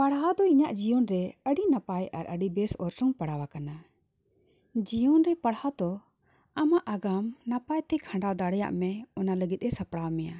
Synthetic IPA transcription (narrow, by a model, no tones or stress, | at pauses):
paɽɦad̪ɔiɲaʔd͡ʒijɔnɾɛəɖinapaja̰ɾʔə̰ɖibɛsɔ̰ɾsɔŋpaɽawakana | d͡ʒijɔnɾɛpaɽhad̪ɔ | amaʔaɡamnapajt̪ɛkʰãɳɖawd̪aɽɛja̰ʔmɛɔnaləɡit̪̚ɾɛsapɽawmɛja̰